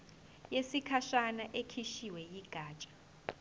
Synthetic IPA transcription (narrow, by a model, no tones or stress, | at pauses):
jesikʰaʃanaʔekʰiʃiwɛjiɡ̥ʱaːt͡ʃʼḁ